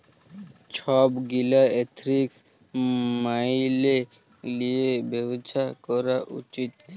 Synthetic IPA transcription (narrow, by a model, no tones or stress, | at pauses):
t͡ʃʰɔbɡilaet̪ʰɾiks | maile | liebɛbt͡ʃʰakɔɾaʔut͡ʃit̪̚